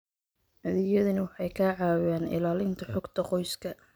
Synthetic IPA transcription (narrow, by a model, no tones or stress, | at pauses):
ʔɐðɪjɐðɐnɐwɑħɑjkʰaːʕɑːwaːnɪ̰laːlɪnt̪ʰɐħɔɡt̪ʰɐqɔjskʰɐ